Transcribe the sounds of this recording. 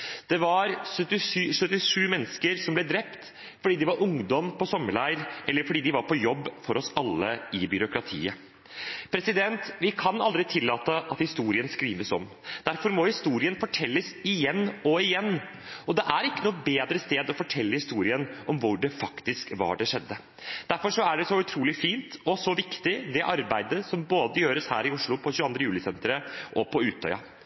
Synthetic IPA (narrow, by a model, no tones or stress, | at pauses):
d̪̥ɛʋɑɾsœt̪ːɪʂːsœt̪ːɪʂʉːmɛnːəskəɾsɔmblɛd̪ɾɛpt̪ | fɔɖiːd̪ɪʋɑɾʊŋd̪ɔmpʰɔsɔmːəɭæɪəɾʔɛlːəɾfɔɖiːd̪ɪʋɑɾpɔjɔbːfɔɾɔsɑlːəɪbʏɾʊkɾɑt̪ʰḭːə | pʰɾɛsɪd̪ɛnt̪ʋɪkʰɑnɑld̪ɾɪt̪ʰɪlːɑːt̪əʔɑt̪hɪst̪uːɾɪənskɾiːʋəsɔm | d̪̥æɾfɔɾmɔhɪst̪uːɾɪənfɔʈʰɛlːəsɪjɛnːɔɪjɛnː | ɔd̪ɛʔæɾɪkːənuːt̪̚beːd̪ɾəst̪eːd̪ɔfɔʈʰɛlːəhɪst̪uːɾɪənʔɔmʋʊɖɛfɑkt̪ɪskʋɑ̰ɖɛʂɛd̪ːə | d̪̥æɾfɔʂɔæɖɛsɔʉt̪ʰɾuːlɪfiːnt̪ɔsɔʋɪkt̪ɪd̪ɛʔɑɾbæɪd̪əsɔmboːd̪əjøːɾəshæ̰ːɾɪʊʂɭʊpʰɔɕʉːɑnd̪ɾəjʉːlɪsɛnt̪əɾəʔɔpʰɔʉːt̪ʰːœ̰ʏɑ̰